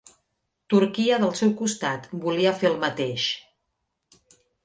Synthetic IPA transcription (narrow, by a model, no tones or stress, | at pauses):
t̪uɾkiəðəlˠsɛwkust̪at̪buliəfeəlˠmət̪eʃ